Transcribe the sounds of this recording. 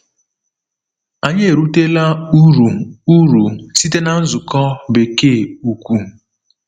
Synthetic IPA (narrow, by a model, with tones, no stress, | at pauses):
a˨ɲe˦e˨ɾu˦te˦la˦ɾu˨u˦ɾu˨si˦te˦na˨n̩˦zʊ˨kɔ˦be˨keː˦˨u˨kʷu˦˨